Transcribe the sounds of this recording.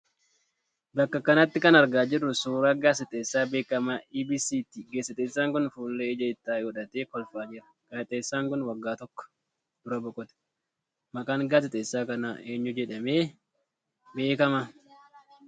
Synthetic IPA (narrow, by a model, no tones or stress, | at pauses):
bɐkːɐkɐnɐt̪ːɪkɐnɐɾɡaːd͡ʒɪrːʊsuːɾaːɡaːsɪt̪ʼeːsːaːbeːkːɐmaiːbisiːt̪iɡeːsɪt̪ʼeːsːaːŋkʊnfuːnːeːɪd͡ʒɐɪt̪ːaːjɔːᶑɐt̪eːkɔlfaːd͡ʒɪɾɐ̥ | ɡ̥ɐːt̪ʼeːsːaːŋkʊnwɐɡːaːt̪ɔkːɔ̥ | d̪̥ʊɾɐbɔkʼɔt̪ɐ̥ | mɐkʼaːŋɡaːsɪt̪ʼeːsːaːkɐnaʔeːɲːʊd͡ʒɛᶑɐmeː | be̞ːkɐmɐ